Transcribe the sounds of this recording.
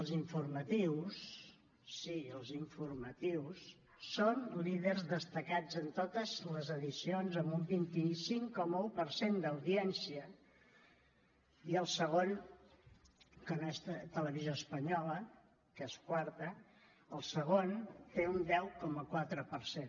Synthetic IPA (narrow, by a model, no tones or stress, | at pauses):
əlˠziɱfurmət̪iwsː | iəlˠziɱfurmət̪iwsː | onliðərzðəst̪əkad͡zənt̪ot̪əzləzəðisionzəmbumbint̪isiŋkɔməupəɾsend̪əwðiɛnsiə | iəlˠsəɣ̞on | kənoest̪ələβizjoəspəɲɔlə | keskwaɾt̪ə | əlˠsəɣ̞ont̪eund̪ɛwkɔməkwat̪ɾəpəɾsen